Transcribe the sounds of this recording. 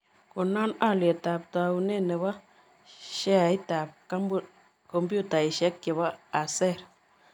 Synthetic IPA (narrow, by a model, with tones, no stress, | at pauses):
ku˨na˦na˦˨le˨ta˨p̚ta˨u˨ne˦˨ne˨βa˦ | ʃe˦a˨i˦ta˨p̚ka˦mb | ko˦mbu˦ta˨i˨ʃe˦kke˨ba˦a˨se˦˨ɾ